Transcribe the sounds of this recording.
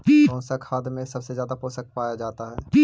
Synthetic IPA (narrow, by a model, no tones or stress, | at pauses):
pːkɔ̃ːnsakʰaːd̪mẽsɐbsezjaːd̪apoːsək̚paːjad͡ʒaːt̪aɦɛːpi